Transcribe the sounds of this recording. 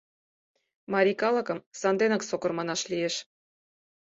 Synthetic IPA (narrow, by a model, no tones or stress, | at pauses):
mɑɾʲikɑlˠɤ̆kɤ̆msɑnd̪enɑksokɤ̆rmɑnɑʃlijeʃ